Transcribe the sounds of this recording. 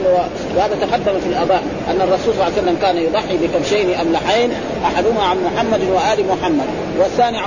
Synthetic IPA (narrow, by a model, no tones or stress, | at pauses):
wa | wɪhaːd̪ðat̪aqad̪ːamafilʔɑd̪ˤɑː | ʔanːɑrˤːɑsuːlsˤɑlːʕːsalːamkaːnajʊd̪ˤɑħːibikamʃeːniʔamlaħeːn | ʔaħad̪humaʕanmʊħamːad̪nwaʔaːlimʊħamːad̪̚ | waθːaːniʕ